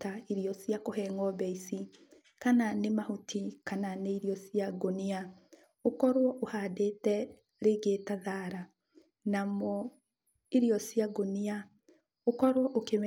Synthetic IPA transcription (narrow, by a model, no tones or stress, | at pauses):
taiɾijɔsjakoɦɛŋɔbɛisi | kananemahutʰikananeiɾjɔsiaɡonia | okɔɾwɔʔohaːdetɛ | ɾeɡetaðaɾa | namɔ | iɾiɔsjaɡonia | okɔɾwɔʔokem